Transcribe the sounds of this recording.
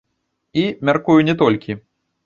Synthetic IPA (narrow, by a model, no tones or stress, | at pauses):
imʲarkujunʲɛt̪ɔlʲkʲi